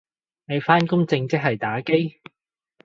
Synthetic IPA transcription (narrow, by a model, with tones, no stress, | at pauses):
ne˨˧jfaː˥nkʊ˥ŋt͡sɪ˧ŋt͡sɪ˥k̚ɦɐ˨jt̪aː˨˥ke˥j